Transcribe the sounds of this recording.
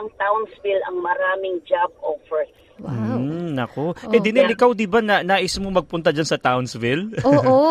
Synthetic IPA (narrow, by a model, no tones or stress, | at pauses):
ʔɐŋt̪awnsvɪlɐŋmɐɾaːmɪŋd͡ʒab̚ofɛɹt̪̩ː | nɐkoʔɛd̪ɪnɛlɪkawd̪iːbananaːʔɪsmomɐɡ̚pʊnt̪ad͡ʒansɐt̪awnsvɪloʔo